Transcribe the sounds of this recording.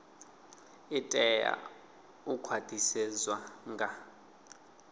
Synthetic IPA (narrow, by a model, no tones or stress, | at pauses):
itʼɛja̰ | ukʰwad̥ʰʱisɛzwaŋɡʱa